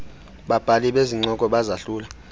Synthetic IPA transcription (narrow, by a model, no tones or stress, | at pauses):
ɓab̥ʱaliɓeziŋ͡ǀɔkʼɔɓazaɬuːla